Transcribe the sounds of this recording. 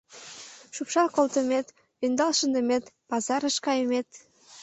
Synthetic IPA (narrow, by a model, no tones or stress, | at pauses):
ʃupʃɑkolt̪əmet̪ | ynd̪ɑlʃənd̪əmet̪pɑzɑɾəʃkɑjəmet̪